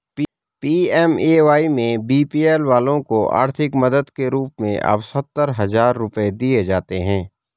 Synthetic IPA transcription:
piːɛːmeʋaːimẽbiːpiːɛːlʋaːlõkoʔa̰ːɾt̪ʰɪkmɐd̪əd̪keɾuːpmẽʔɐ̰psɐt̪ːəɾɦɐzaːɾːʊped̪ied͡ʒaːt̪eɦɛ̃ː

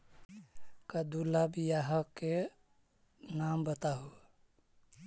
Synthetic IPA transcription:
kəd̪ulabijaɦəkːe | nambət̪aɦu

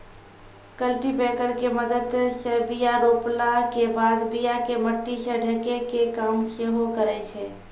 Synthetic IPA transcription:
kəlʈibɛkəɾkeməd̪əd̪səbijaɾoplakebad̪bijakeməʈːisəɖʱəkekekamseɦokəɾɛt͡ʃʰɛ

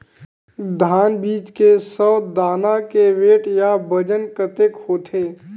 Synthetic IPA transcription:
d̪ʱaːnbiːt͡ʃkesɔːd̪aːnakeʋeːʈjabəd͡ʒənkət̪ekhoːt̪ʰeː

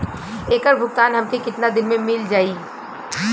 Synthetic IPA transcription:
eːkəɾbʱʊɡ̚t̪aːnɦɐmkikɪt̪nad̪ɪnmẽmɪld͡ʒaːiː

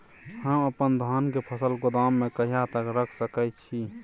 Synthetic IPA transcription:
həməpənd̪ʱaːnkepʰəsəlɡʊd̪amːẽkəɦijat̪əkɾəkʰsəkəjt̪t͡ʃʰi

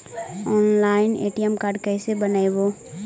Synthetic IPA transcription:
ɔːnlaːɪnḛːʈiəmkaːɾɖkɛːsebənaeboː

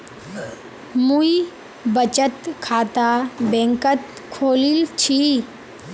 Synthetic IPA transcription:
muji | bət͡ɕət̪kʰat̪abɛ̃ŋkət̪̚ | kʰoːliːlt͡ɕʰi

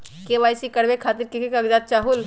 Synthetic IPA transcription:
keʋaːjsikɐɽʋekʰaːt̪ɪɾkɪkekɐɡd͡ʒaːt̪̚t͡ʃaːɦʊl

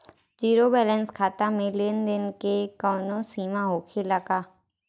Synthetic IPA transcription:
d͡ʒiːɾobɛːlɛ̃nskʰaːt̪amẽleːnd̪ɪnkekɔːnõsiːmaɦoːkʰeləɡaː

